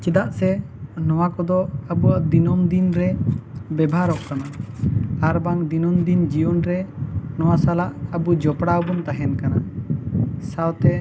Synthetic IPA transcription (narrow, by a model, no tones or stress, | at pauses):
t͡ʃɛd̪aʔsɛ | nɔwakɔd̪ɔəbuaʔd̪inɔmd̪inɾɛbɛbʱaɾɔʔkana | aɾbaŋd̪inɔmd̪ind͡ʒiwɔnɾɛnɔwasalaʔəbud͡ʒɔpɽawbunt̪aɦɛnkana | sawt̪ɛ